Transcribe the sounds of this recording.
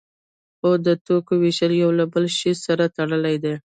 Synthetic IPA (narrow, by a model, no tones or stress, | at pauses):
xod̪ət̪okowɪʃəljawlabəlʃizsaɾat̪aɽəlajd̪e